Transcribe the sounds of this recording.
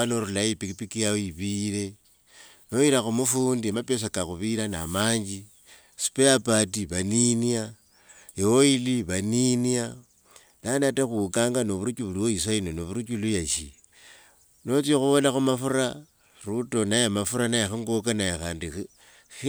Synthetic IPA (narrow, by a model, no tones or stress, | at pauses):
anoɾulaipikipikijaoiβiɾe̞ | noiɾaxumufuːndimapes̬akaxuβiɾana̰maːɲd͡ʒi | su̥peapatiβaninia | jewoiliβaninia | nanataxukaːŋɡanoβuɾut͡ʃuβuliwois̬ainonoβuɾut͡ʃulujaʃi | no̞t͡siexuβolaxumafuɾa | ruto̞najamafuɾanajaxiŋɡokanajaxaːndi